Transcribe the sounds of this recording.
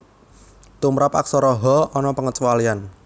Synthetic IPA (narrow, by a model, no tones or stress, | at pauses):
t̪umɾapa̰ksɔɾɔɦɔɔnɔpəŋət͡ʃwalian